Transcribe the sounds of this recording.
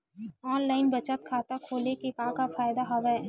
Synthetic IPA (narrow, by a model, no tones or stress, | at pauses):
ɔːnlaːɪnbɐt͡ʃət̪̚kʰaːt̪akʰoːlekepãːkafaːjd̪aɦɐʋɛ